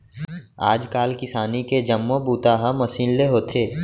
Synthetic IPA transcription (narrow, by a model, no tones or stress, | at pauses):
a̰ːd͡ʒkaːlkɪsaːniked͡ʒɐmːobuːt̪aɦɐmɐsiːnleɦoːt̪ʰeː